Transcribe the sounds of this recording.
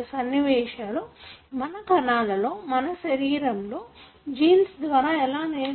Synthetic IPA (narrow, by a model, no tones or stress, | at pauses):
sɐnːiʋɛːʃaːlumɐnɐkɐɳaːlɐlo̞ːmɐnɐʃɐɾiːɾɐmloː | d͡ʒiːnsd̪ʋaːɾaːɛlaːneː